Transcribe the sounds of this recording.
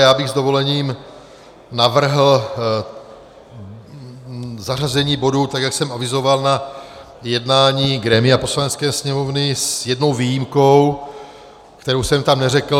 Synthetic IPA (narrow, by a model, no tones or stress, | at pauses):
jaːbɪɣzd̪ovo̞lɛɲiːm | navr̩ɦl̩ | zarazɛɲiːbo̞dut̪aɡjaksɛmavɪzo̞valna | jɛdnaːɲiːɡɾɛːmɪapo̞slanɛt͡skɛːsɲɛmovnɪsjɛdno̞wviːjimko̞w | kt̪ɛɾowsɛmt̪amnɛɾɛkl̩